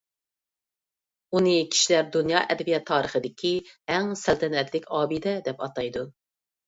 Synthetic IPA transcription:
unɨkʲʰi̥ʃilæɾd̪unjɑːʔɛd̪ɛbijɛt̪ʰːɑːɾəχəd̪ɪkʲʰiæŋsælt̪ʰɛnɛt̪lɪkʲɑːbɨd̪ɛd̪ɛpɑt̪ɑjd̪u

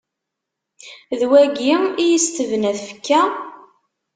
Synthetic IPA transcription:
ðwæɡimijist̪əvnæθfə̥kːæ

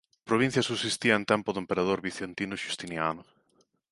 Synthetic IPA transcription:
pɾoβĩn̟θjɐsusist̪iɐent̪ɛmpʊðʊempeɾað̞oɾβiθent̪inʊʃust̪injanʊ

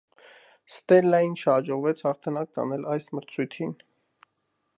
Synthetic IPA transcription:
st̪ɛlːɑjinʃʰɑd͡ʒɔʁvɛt͡sʰhɑχt̪ʰɑnɑk̚t̪ɑ̰nɛlɑjsməɾt͡sʰujt̪ʰin

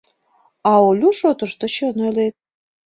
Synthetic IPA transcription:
ɑolʲuʃot̪əʃt̪ɤ̆t͡ɕonelet̪̚

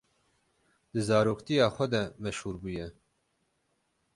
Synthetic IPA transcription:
d̪̥ɨzɑːɾoːkt̪ijɑːxʷɛd̪ɛmɛʃhuːɾbuːjɛ

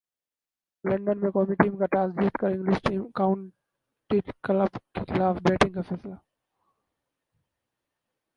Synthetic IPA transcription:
lɐ̃ɳɖənmekoːmiʈiːmkɐʈaːzdiːʈ̪kəɾɪ̃ŋlɪsʈiːmkãʊ̃ɳ | ʈiʈkɐlabkʰɪlaːfbeːʈɪ̃ŋɡəfɛːsla

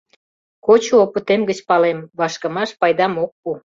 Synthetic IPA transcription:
kot͡ɕuoput̪emɡət͡ɕpɑlemβɑʃkə̆mɑʃpɑjd̪ɑmok̚pu

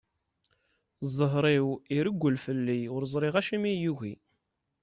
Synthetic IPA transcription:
zˤəɦɾˤiwiɾəɡʷːəlfəlːiʊɾzˤɾˤiʁæʃimijuɣḭ

